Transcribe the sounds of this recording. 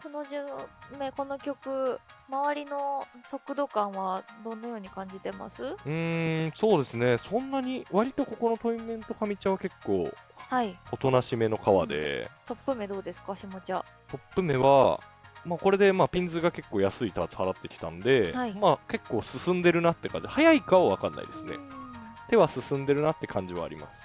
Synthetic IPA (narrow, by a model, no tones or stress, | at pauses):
ko̞no̞ʑɨme̞ko̞no̞kʲo̞kɯ̟maβaɾʲino̞so̞kɯ̟d̪o̞kãɰ̃βad̪õ̞nːajo̞ːɲ̟ikãɲ̟d͡ʑit̪e̞ma̰sɨɯ̃so̞ːd̪e̞sɨne̞sõ̞nːaɲ̟iβaɾʲit̪o̞ko̞ko̞no̞t̪o̞imẽ̞nt̪o̞kamʲit͡ɕaβake̞kːo̞̰ːhaiot̪o̞naɕime̞no̞kaβa̰d̪e̞̰t̪o̞pːɯ̟me̞d̪o̞ːd̪esɨ̥kaɕimot͡ɕa | t̪o̞pːɯ̟me̞βa̰maːko̞ɾe̞d̪e̞maːpʲĩnd͡zɨɡake̞kːo̞ːjasɨit̪aːt͡sɨ̥haɾat̪ːe̞kʲi̥t̪a̰nod̪e̞imake̞kːo̞ːsɨsɨ̃nd̪e̞ɾɯ̟nat̪ːe̞kã̰ɲ̟d͡ʑhajaikaβaβ̞akanːa̰ḭd̪e̞sɨne̞̰t̪e̞β̞asɨsɨ̃nd̪e̞ɾɯ̟nat̪ːe̞kʰãɲ̟d͡ʑiβa̰ːɾʲḭma̰sɨ̥